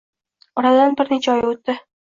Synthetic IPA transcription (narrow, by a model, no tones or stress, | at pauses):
ɒɾad̪anbɪɾnɪt͡ʃʰɒjɪot̪ːɪ